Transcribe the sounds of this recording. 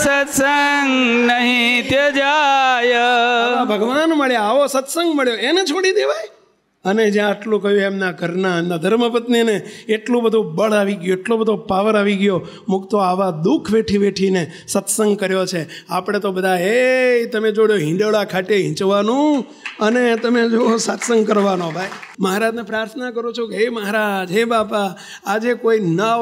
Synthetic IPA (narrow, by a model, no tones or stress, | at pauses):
sət̪səŋɡnəɦĩt̪ed͡ʒajãbʱəɡʋanməɭjaaʋosət̪səŋɡməɭjoenet͡ʃʰoɽid̪eʋaj | əned͡ʒjãːʈlũkəɦjũemnaɡʱəɾnaemnad̪ʱəɾməpət̪nineeʈlũbəd̪ʱũbəɭaʋiɡjũeʈlobəd̪ʱupaʋəɾaʋiɡjo | mʊkt̪oaʋad̪ukʰʋeʈʰiʋeʈʰine | sət̪səŋɡkəɾjot͡ʃʰeapɽ̃et̪obəd̪ʱaet̪əmed͡ʒoɽjoɦɪ̃ɖəɭakʰaʈeɦɪ̃t͡ʃʋanũ | ənet̪əmed͡ʒoosət̪səŋɡkəɾʋanobʱaiməɦaɾad͡ʒnepɾaɾt̪ʰnakəɾũt͡ʃʰukeeməɦaɾad͡ʒɦebapaː | d͡ʒekoina